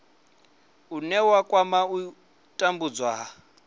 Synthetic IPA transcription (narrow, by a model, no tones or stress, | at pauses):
unɛwakʼwamau | tʼambud͡zwaa